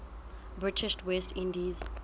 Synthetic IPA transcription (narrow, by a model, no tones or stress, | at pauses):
bɹɪtʰɪʃtwɛstʰĩndiz